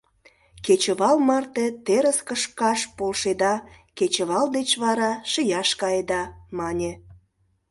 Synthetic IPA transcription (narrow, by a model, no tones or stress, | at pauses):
ket͡ɕəβɑlmɑrt̪et̪eɾəskəʃkɑʃpolʃed̪ɑ | ket͡ɕə̆βɑld̪et͡ɕβɑɾɑʃəjɑʃkɑjed̪ɑmɑnʲe